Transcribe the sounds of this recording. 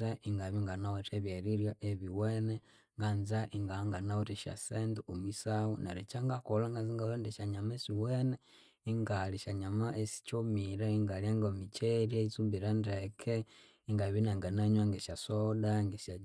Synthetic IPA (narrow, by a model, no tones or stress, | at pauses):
aʔiŋɡaβiŋɡanawoteβjeɾiɾjoʔeβiwene | ŋɡanzaʔiŋɡaŋɡanawotiʃa̰senduomwisawunaɾet͡ʃaŋɡakolaŋɡanziŋɡalondiʃaɲamesiwene | iŋɡaliʃaɲamaʔesi̥t͡ʃomiɾaiŋɡaliaŋɡomit͡ʃeɾeit͡sumbiɾandekʰe | iŋɡaβinaŋɡanaɲwaŋɡeʃasodaŋɡeʃa